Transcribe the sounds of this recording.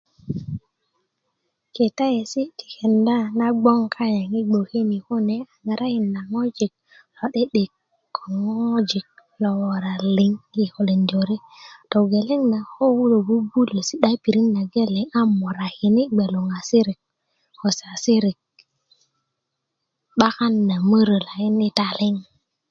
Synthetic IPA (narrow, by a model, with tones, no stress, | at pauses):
ke˨ta˦je˨si˦tʰi̥˨ke˨nda˦na˦ɡ͡bo˦ŋkʰa˦ja˨ŋi˦ɡ͡bo˨he˦ni˨ko˦ne˦a˨ŋa˨ɾa˦hi˨nːa˨ŋo˦d͡ʒi˨k̚ | lo˨ɗe˦ɗe˨kː | o˨ŋo˦d͡ʒi˨k̚lo˨wo˨ɾa˨li˨ŋi˨ho˨le˨ndo˨ɾi˦ | to˨ɡe˨le˦ŋna˨ho˦wu˦lo˨bu˦bu˦le˨si˦ɗa˦pi˨ɾi˦nːa˨ɡe˦le˨ŋa˦mo˨ɾa˨hi˨ni˦ɡ͡be˨lo˨ŋa˨si˦ɾi˨k̚ | ko˨sa˨si˦ɾi˨k̚ | ɓa˦ka˦nːa˨mə˦ɾə˨la˨ji˦ni˦ta˨le˦ŋ